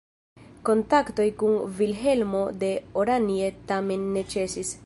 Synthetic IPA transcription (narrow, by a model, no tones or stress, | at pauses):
ko̞ntakto̞jkunvilɦe̞lmo̞d̪e̞oɾanietame̞nːe̞t͡ʃe̞sis